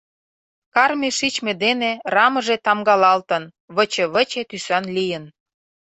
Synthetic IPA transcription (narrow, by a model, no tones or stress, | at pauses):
kɑrmʲeʃit͡ɕmed̪enerɑmə̆ʒet̪ɑmɡɑlɑlt̪ə̆n | βə̆t͡ɕə̆βə̆t͡ɕet̪ysɑnlijən